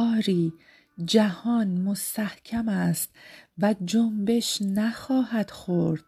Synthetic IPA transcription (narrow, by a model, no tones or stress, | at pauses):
ɒːɾiː | d͡ʒæhɒːnmost̪æhcʰæmæːst̪væd͡ʒombe̞ʃnæxɒːɦæd̪̥xoɾd̪̥̚